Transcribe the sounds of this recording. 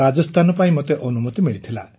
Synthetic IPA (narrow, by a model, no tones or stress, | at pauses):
ad͡ʒɔst̪ʰanɔpaĩmot̪eʔɔnumut̪imiɭit̪ʰila